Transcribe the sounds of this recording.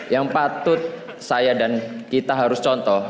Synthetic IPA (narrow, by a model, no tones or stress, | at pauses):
jaŋpat̪ʊt̪̚ | sajadankit̪aɦaɾʊst͡ʃɔnt̪ɔh